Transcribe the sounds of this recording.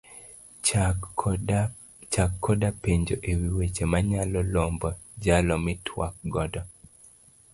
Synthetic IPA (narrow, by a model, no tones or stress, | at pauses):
t͡ʃakʰːɔdapeɲd͡ʒoʔewiwet͡ʃemaɲalɔlombɔd͡ʒalɔmɪtʰwa̰k̚ɡɔdɔ